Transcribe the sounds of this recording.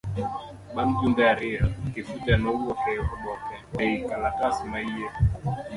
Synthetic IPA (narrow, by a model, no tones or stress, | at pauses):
ɓan̩tundaɾiakefutanɔuɔkɛɔɓɔkɛɛikalakasimaiɛ